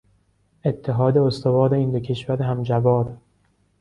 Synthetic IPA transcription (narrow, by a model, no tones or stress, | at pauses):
e̞t̪ʰːeɦɒːd̪eost̪ovɒːɾe̞ind̪ocʰe̞ʃvæɾeɦæmd͡ʒæbɒːɾ